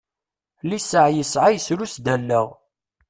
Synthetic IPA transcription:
lisəʕjəsʕajəsɾusd̪ænːəʁ

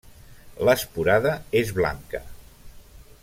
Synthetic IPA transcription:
ləspuɾaðəezβla̰ŋkə̰

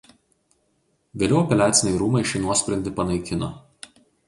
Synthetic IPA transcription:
ʋʲeːlʲɛʊɔpʲɛlʲæːt̪sʲɪnʲɛɪɾuːmɐɪʃʲɛɪnuɔsʲpʲɾʲɛnʲd̪ʲɪpɐnɐɪkʲɪno

